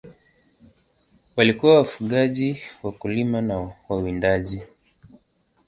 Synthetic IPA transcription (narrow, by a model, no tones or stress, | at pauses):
walikuwawafuɠaʄiwakulimanawawindaʄi